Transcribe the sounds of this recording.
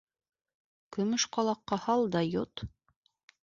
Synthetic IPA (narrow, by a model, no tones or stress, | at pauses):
kɵ̆mɵʃqɑlˠɑqːɑhɑlˠd̪ɑjot̪